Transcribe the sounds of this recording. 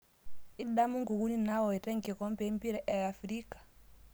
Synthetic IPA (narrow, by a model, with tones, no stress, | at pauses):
i˦ɗa˦mu˦ŋɡu˨ɣu˦ni˦na˦wɔ˨i˨tɛ˦ŋkɛ˨kɔ˦m˦pɛ˦mbi˦ɾɛ˦ʔɛ˨a˨fɾi˦kḁ˨